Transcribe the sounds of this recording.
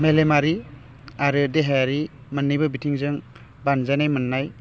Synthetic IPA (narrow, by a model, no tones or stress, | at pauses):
melemaɾi | aɾɯdeɦejaɾi | mənːijbɯbitʰiŋzɯŋ | banzajnajmənːaj